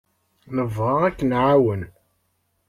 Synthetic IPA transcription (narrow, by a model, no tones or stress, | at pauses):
nəvʁɑʁækːənʕawən